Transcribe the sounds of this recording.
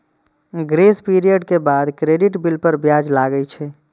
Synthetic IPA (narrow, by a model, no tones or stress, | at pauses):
ɡɾespiɾijəɖkebad̪kɾeɖiʈbilpəɾbjad͡ʒlaɡəjt͡ʃʰɛ